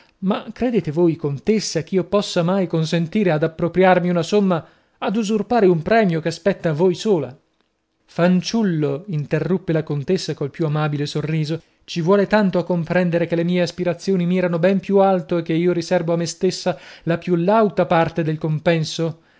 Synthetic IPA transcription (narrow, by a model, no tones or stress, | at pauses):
makːɾed̪eːt̪evojkont̪esːak̟iːopɔsːamajkonsent̪iːɾead̪apːɾopɾjarmiunasomːa | ad̪uzurpaːɾeumpɾɛːmjokeaspɛt̪ːavojsoːla̰ | fant͡ʃulːoint̪erːupːelakont̪esːakolpjuamabilesorːiːzo | t͡ʃivwɔːlet̪ant̪oakːompɾɛnd̪eɾekelːemiːeaspiɾat̪sːjoːnimiɛɾanobɛmpjualt̪oek̟ːeiːoɾisɛrvoamːest̪esːalapjulawt̪apart̪ed̪elkompɛnso